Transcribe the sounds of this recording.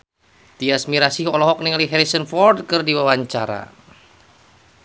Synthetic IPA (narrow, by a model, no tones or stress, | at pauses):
t̪iasmiɾasihɔlɔɦɔk̚niŋaliɦɛɾisənfɔrdkɨrdiwawaɲt͡ʃaɾa̰